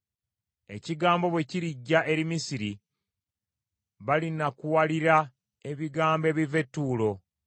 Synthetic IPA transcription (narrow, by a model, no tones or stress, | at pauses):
e̞̰ciɡaːmbo̞βwe̞ciɾiɟːaʔe̞ɾimisiɾi | βalinakuwaliɾa | e̞βiɡaːmbe̞ːβive̞tːuːlo̞